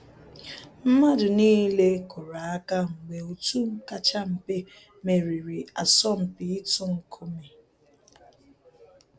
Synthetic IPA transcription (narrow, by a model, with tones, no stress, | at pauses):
m̩˦ma˦dʊ˨niː˦le˦kʊ˨ɾa˨a˦ka˦ŋ̩˨ɡ͡be˨o˨tu˦ŋ̩˦ka˦t͡ʃa˦m̩˨pe˦ | me˨ɾi˨ɾi˨a˨sɔ˦m̩˨pi˨˦i˦tʊ˦ŋ̩˨kʰo˦me˨